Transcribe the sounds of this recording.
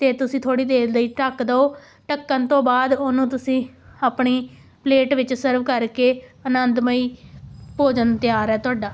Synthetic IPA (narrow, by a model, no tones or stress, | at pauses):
t̪eːt̪ʊsĩːt̪ʰoːɽiːd̪eːləiːʈəkd̪əoː | ʈəkːənt̪õːbaːd̪oːnũːt̪ʊsĩː | aːpɳiː | pleːʈʋɪt͡ʃsəɾʋkəɾkeːənənd̪məiːpoːd͡ʒənt̪ɪjaːɾɛːt̪ʊaːɖaː